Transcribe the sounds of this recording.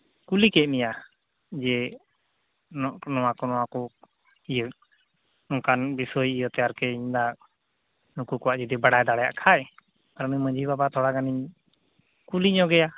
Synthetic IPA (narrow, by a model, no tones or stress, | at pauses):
kulikɛt̪̚mija | d͡ʒɛ | nɔʔnɔwakɔnɔwakɔ | ijə | ɔkanbisɔjijɔt̪ɛjaɾkɛiɲd̪aʔ | nukukɔwaʔd͡ʒid̪ibaɽajd̪aɽɛja̰ʔkʰaj | aɾmimə̃d͡ʒibabat̪ʰɔɽaɡaniɲ | kuliɲɔɡɛja